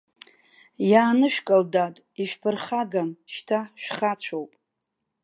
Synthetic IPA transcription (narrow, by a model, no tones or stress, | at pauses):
jaːnɨʃᶣkʼaldatʼ | iʃᶣpʰɨrχaɡamʃtʰaʃᶣχat͡ɕʷʰowpʼ